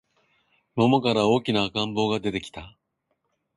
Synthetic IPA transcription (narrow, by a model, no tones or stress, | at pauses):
mo̞mokaɾao̞ːkʲinaːkãmbo̞ːɡad̪e̞t̪e̞kʲi̥t̪a